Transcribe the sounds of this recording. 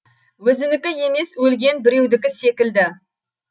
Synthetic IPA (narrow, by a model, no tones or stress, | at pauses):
wɵzɪnɪkʲɪje̞me̞swɵlɡʲe̞nbɪɾe̞wd̪ɪkʲɪse̞kʲɪld̪ɪ